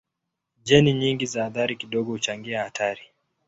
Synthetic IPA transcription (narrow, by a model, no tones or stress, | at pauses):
ʄɛniɲiŋɡizaːðaɾikiɗɔɠɔhut͡ʃaŋɡiahatʰaɾi